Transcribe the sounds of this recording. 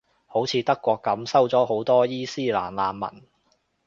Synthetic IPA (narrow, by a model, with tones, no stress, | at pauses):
ho˨˥wt͡sʰiː˨˧t̪ɐ˥kːʷɔː˧kːɐ˨˥msɐ˥wt͡sɔː˨˥ɦo˨˥wt̪ɔː˥jiː˥siː˥la̰ː˨˩nlaː˨˧nmɐ̰˨˩n